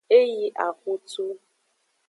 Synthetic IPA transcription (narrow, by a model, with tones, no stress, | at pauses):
e˦ji˦ʔa˨ku˦tu˦